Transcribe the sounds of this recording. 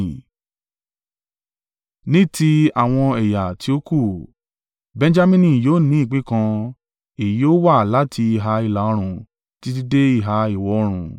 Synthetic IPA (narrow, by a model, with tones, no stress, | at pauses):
nĩ˦ti˧a˨w̃ɔ̃˧ɛ˨ja˨tʰi˧˦o˦ku˦˨ | bɛ̃˧n˦d͡ʒa˦mĩ˦nĩ˦˨joː˦˨nĩ˨˦i˦˨k͡pĩ˦kã˧ | i˨ji˨˦o˦wa˦˨la˦tʰi˧i˨ɦa˧i˧la˨˦ɔ˧ɾ̃ũ˨ | ti˦t̬i˧de˦i˦˨ɦa˧i˨wɔ˨˧ɔ˧ɾ̃ũ˨